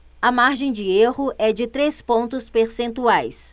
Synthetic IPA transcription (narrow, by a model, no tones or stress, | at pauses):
ɐmaɾʒẽj̃d͡ʒɪehʊʔɛd͡ʒɪt̪ɾespõnt̪ʊspeɾsẽnt̪uajs